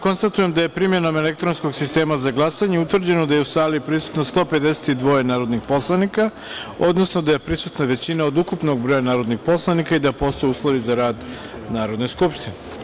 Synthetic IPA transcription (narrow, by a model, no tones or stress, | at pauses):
ko̞nst̪at̪uje̞md̪aje̞pɾimje̞nome̞lek̚t̪ɾo̞nsko̞ɡsist̪e̞ːmazaɡlˠasaɲeut̪ʋr̩d͡ʑenod̪ajeusaːlipɾisu̥t̪nost̪o̞pe̞d̪ese̥t̪id̪ʋo̞jenaːɾo̞d̪nixpo̞slˠanika | o̞d̪no̞snod̪aje̞pɾisut̪naʋe̞t͡ɕinaod̪ukupno̞ɡbɾoːjanaːɾo̞d̪nixpo̞slˠanikaid̪apo̞ːst̪ojuːslˠo̞ʋizaɾaːd̪ | naːɾo̞d̪nojskupʃt̪ine